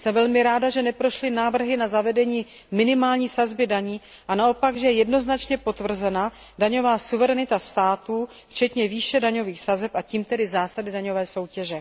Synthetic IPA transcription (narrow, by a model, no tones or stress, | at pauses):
sɛmvɛlmɪɾaːdaʒɛnɛpɾo̞ʃlɪnaːvr̩ɦɪnazavɛdɛɲiː | mɪnɪmaːlɲiːsazbɪdaɲiː | ʔanao̞paɡʒɛjɛjɛdno̞znat͡ʃɲɛpo̞t̪vr̩zɛna | daɲo̞vaːsuvɛɾɛnɪt̪ast̪aːt̪uː | ft͡ʃɛt̪ɲɛviːʃɛdaɲo̞viːxsazɛpʔaciːmt̪ɛdɪzaːsadɪdaɲo̞vɛːso̞wcɛʒɛ